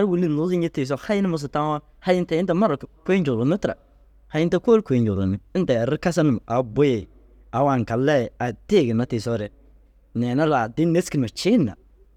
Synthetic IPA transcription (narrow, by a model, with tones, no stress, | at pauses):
a˦ɾwu˨li˦˨lʊ˨˦zɪ˦ɲɪ˦tɪ˨s̬ɔ˦ha˦jɪ˦nɪ˦mʊ˦s̬ʊ˨ta˦ŋ˦a˦ | ha˦jɪ˦nta˨jɪ˦ta˦ma˦ɾʊ˨kke˦ɲd͡ʒʊ˨lʊ˨nɪ˦tɪ˨ɾa̰˨ | ha˨˦jɪ˦nta˦ko˦lkʷe˨d͡ʒʊ˨lʊ̰˨nɪ˦ɪ˦n˦ta˨a˨ɾɪ˦ka˦s̬a˦nɪ˦˨m˨ʔa˨bo˦je˨ | a˨wa˨ŋ˨ka˨lːɛ˦˨a˨te˦˨ɡɪ˨na˦tɪ˨sɔ˦ɾɛ˦ | nɛ˨na˦la˨dɪ˦ne˦ski˨n˨ma˨t͡ʃɪ˦nːa̰˨